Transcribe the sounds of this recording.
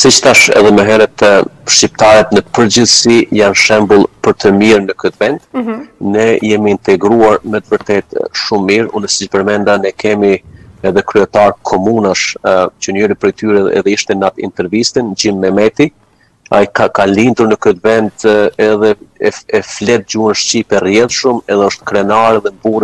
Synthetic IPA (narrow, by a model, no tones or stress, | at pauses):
sit͡ʃt̪aʃɛ̰ðɛməɦɛɾɛt̪ʃcip̚t̪aɾɛt̪nəpəɾd͡ʑəθsijanʃɛmbəlˠpəɾt̪əmiɾnəkət̪vɛnd̪̥nɛḭjɛmiːnt̪ɛɡɾuaɾmɛt̪vəɾt̪ɛt̪ʃumːiɾṵnəsicpəɾmɛnd̪anɛkʰɛmiɛðɛkɾyɛt̪aɾkʰɔmunaʃt͡ɕənəɾipɾɛjt̪yɾɛɛ̰ðɛiʃt̪ɛnat̪ḭnt̪ɛɾvist̪ind͡ʑinːɛmɛt̪i | a̰jkakalind̪uɾnəkət̪vɛnd̪ɛðɛɛɛflɛt̪̚d͡ʑuənʃcipɛrjɛðʃəmɛðɛɔʃt̪kɾɛnaɾɛðɛmbuɾ